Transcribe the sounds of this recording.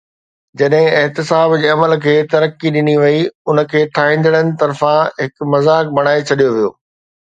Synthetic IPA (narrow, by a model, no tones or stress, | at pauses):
d͡ʑɐɗɦɪ̃ɪɦt̪ɪsaːbd͡ʑeːɐməlkʰeːt̪ɐɾəkːiɗɪniʋɐiʊnə̆kʰeːʈʰaːɦĩːn̆d̪əɽ̃ənɪɪt̪ɐɾfãɦɪkmɐzaːk̚bʱɐɽ̃aːet͡ɕʰɐɗijoʋijo̰ː